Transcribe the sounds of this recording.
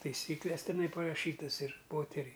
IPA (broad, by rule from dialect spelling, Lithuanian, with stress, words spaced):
tɐɪˈsʲiːklʲɛs tʲɛˈnɐɪ pɐrɐˈʃʲiːtɐs ɪr ˈpoːtʲɛrʲɛɪ